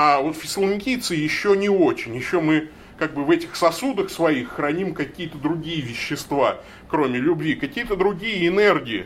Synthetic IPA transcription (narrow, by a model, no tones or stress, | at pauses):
avo̞t̪fʲɪsʲlˠɪnʲkʲijt̪sɨjɪɕːonʲɪot͡ɕɪnʲjɪɕːomɨ | kaɡ̚bɨvɛtʲɪxsɐsud̪əxsvɐixːɾɐnʲimkɐkʲijət̪əd̪ɾʊɡʲijəvʲɪɕːɪst̪va | kɾo̞mʲɪlʲʊbvʲikɐkʲijət̪əd̪ɾʊɡʲijəɪnɛrɡʲɪɪ̰